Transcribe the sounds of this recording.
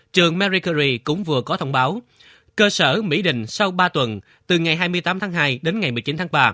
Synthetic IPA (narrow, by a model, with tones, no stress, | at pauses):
t͡ɕɨ˨˩əŋmɛ˧ɾi˧kə˧zi˧kʊ̰˧˥ŋ͡mvɨ˨˩əkɔ˨˦t̪ʰə˧wŋ͡mɓaː˨˦w | kəː˧səː˧˩mḭ˧˥ɗï˨ŋ̟sa˧wɓaː˧t̪wə˨˩n | t̪ɨ˨˩ŋa˨˩jɦaː˧jmɨ˧əjt̪aː˨˦mt̪ʰaː˨˦ŋɦaː˧jɗe˨˦nŋa˨˩jmɨ˨˩əjt͡ɕi˨˦nt̪ʰːɓaː˧